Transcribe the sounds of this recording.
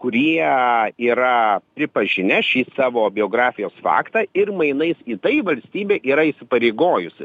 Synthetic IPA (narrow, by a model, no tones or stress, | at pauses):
kʊɾʲiɛiːɾɐpʲɾʲɪpɐʒʲɪnʲɛʃʲiːsɑːʋoːbʲɪoːɡɾɑːfʲɪjoːsfɑ̰ːkt̪ɑːɪrmɐɪnɐɪsiːt̪ɐɪʋɐlʲsʲt̪ʲiːbʲeːʔiːɾɐisʲɪpɐɾʲeɪɡoːjʊsʲɪ